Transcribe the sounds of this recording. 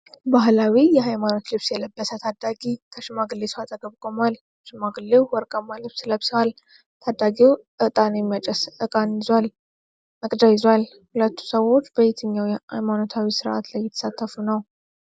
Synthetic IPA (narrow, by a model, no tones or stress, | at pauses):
baɦlawijɛɦajmano̞t̪lɨβsjɛləbːəsət̪ʰad̪aɡikʰəʃɪmaɡɨlːesɨwat̪ʼəɡəβkʼomal | ʃɪmaɡɨlːewwɔɾkʼəmːalɨβsləβsəwal | t̪ʰad̪ːaɡiwʔɨt̪ʼanjɛmːijat͡ʃʼɛsɨkʼanɪzwal | məkʼd̪ajɪzwal | hulət̪ːu̥səwo̞t͡ʃːbəjet̪ʰɨɲːawjɛha̰jmano̞t̪ʰawisɨɾʔa̰t̪lajːɛt̪ʰə̥sat̪ʰːəfunəw